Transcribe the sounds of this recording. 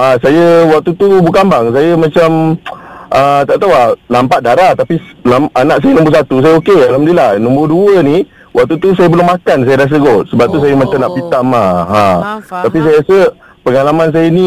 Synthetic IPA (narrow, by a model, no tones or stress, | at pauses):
asajəwak̚t̪ut̪ubukambaŋs̬ajəmãt͡ʃam | ʔət̪aʔt̪awalampat̪̚daɾat̪apilamanaʔs̬ajənɔ̃mbərs̬at̪us̬ajəokealamdilahnɔ̃mbərduəni | wak̚t̪ut̪usajəbəlʊŋmakans̬ajədas̬əɡɔt̪̚səbap̚t̪us̬ajəmat͡ʃamnaʔpit̪amaãt̪apis̬ajəɾasə | pəŋalamans̬ajəni